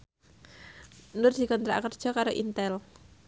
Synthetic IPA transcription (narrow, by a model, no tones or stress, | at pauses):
nʊrd̪̥i̤kɔnt̪ɾa̰kərd̥ʒ̥ɔ̤kaɾoʔint̪ɛl